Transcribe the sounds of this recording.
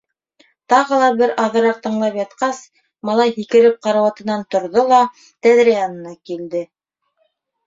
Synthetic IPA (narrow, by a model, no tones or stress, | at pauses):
t̪ɑʁɤ̆lˠɑbɘɾʔɑðɤ̆ɾɑɾt̪ɤ̆ɴlˠɑpjɑt̪qɑs | mɑlˠɑjhikɘ̆ɾɘp̚qɑɾɑwɑt̪ɤ̆nɑnt̪ŏɾðolˠɑ | t̪æðɾæjɑnɤ̆nɑkild̪ɘ